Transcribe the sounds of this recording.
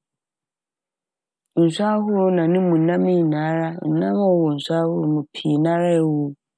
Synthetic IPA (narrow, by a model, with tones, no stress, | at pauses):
n̩˨sʷa˦hu˦ɾo˨˦nã˨nĩ˦mũ˨nã˦mi˦˨na˨˦ɾa˦ṵ˨nã˦m˦ɔ˦wo˨n̩˨sʷa˦hu˦ɾo˨mu˨pʰi˨na˨˦ɾa˦e˦wo˦